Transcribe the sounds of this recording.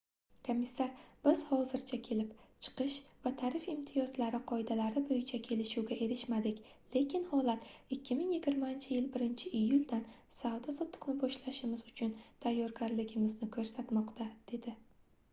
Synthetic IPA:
kʰomʲːisːaɾb̥ɪz̥hɒzɪɾt͡ʃʰakʲʰe̞lɪpt͡ʃʰɨ̥qɨʃvat̪ʰaɾɪfɪmt̪ʰɪjɒzlaɾɪqʰɒɪd̪alaɾɪbojɪt͡ʃʰakʲʰe̞lɪʃuwɡʲaʔe̞ɾɪʃmad̪ɪkʲ | le̞kʲʰɪnhɒlˠat̪ɪkʲːɪmɪŋjɪɡʲɪɾmant͡ʃʰɪjɪlbɪɾɪnt͡ʃʰɪʔɪjːʊld̪an | savd̪ɒsɒt̪ʰːɨ̥qnɪbɒʃlaʃɪmɪzʊt͡ʃʰʊnt̪ʰajːɒɾɡʲaɾlɪɡʲɪmɪznɪkʰɵɾsat̪mɒqt̪ʰad̪̥e̞d̪ɪ

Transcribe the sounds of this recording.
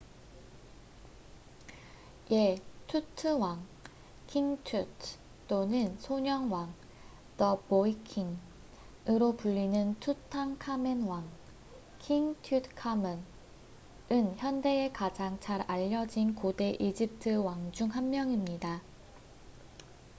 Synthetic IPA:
je̞tʰutʰɯwaŋ | kʰiŋtʰutʰ | t͈onɯnsʰoɲʌŋwaŋ | tʌboikʰiŋ | ɯɾopuʎːinɯntʰutʰaŋkʰamenwaŋ | kʰiŋtʰutkʰamen | ɯnçjʌnde̞ekad͡ʑaŋt͡ɕʰaɾaʎːʌd͡ʑinkode̞ʔid͡ʑip̚tʰɯwaŋd͡ʑuŋɦamːjʌŋimɲida

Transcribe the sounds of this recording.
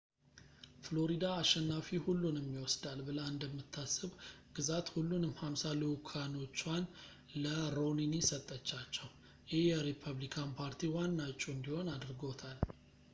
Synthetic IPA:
flo̞ɾid̪aːʃːɛnːafihulːunɛmːiwɔsd̪albɨləɨnd̪əmːɨt̪ʰːasːɨβɡ̥ɨzat̪hulːunɨmhamsalikʰano̞t͡ʃːwan | ləɾo̞ninisət̪ʼːət͡ʃːat͡ʃːɛw | jɪjɛɾipʰəβlikʰanpʰaɾt̪ʰiwanːat͡ʃʼːuɨnd̪iho̞nad̪ɾɡo̞t̪ʰal

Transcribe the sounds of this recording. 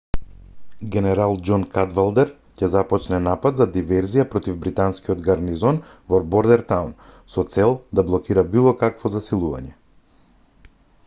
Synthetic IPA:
ɡʲɛnɛɾalˠd͡ʒɔnkad̪valˠd̪ɛɾ | cɛzapɔt͡ʃnɛnapad̪zad̪ivɛɾzijapɾɔt̪ivbɾit̪anskiɔd̪ɡaɾnizɔn | vɔɾbɔɾd̪ɛɾt̪awn | sɔt̪sɛlˠd̪ablˠɔkiɾabilˠɔkakvɔzasilˠuva̰ɲɛ

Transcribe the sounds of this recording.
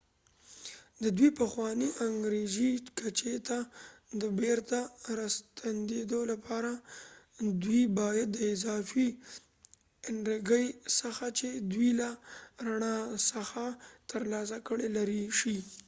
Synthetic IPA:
d̪əd̪wipəxwɑniʔaŋɡɾeʒikat͡ʃet̪ad̪əbeɾt̪aɾast̪and̪ed̪olapʰɑɾa | d̪wibɑjad̪ːəɪzɑfi | ɪɳɾəɡəjsəxat͡ʃed̪wilaɾaɳɑsəxat̪əɾlɑs̬akəɽelaɾiʃi

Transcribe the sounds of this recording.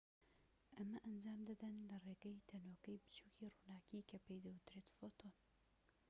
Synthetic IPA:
ʔɐmɐʔɐnd͡ʒaːmd̪ɐd̪ɐnlɐreːɡɐjt̪ʰɐnoːkɐjbɨ̥t͡ʃuːciruːnaːkikʰɐpejd̪ɐwɨt̪ɾet̪fot̪ʰon

